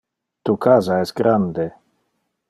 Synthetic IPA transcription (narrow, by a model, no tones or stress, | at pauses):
t̪ukazaɛsɡɾand̪e